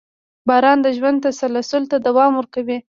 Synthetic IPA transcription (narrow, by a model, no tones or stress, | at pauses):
bɑɾɑnd̪əʒwand̪t̪asalasʊlt̪ad̪awɑmwəɾkawi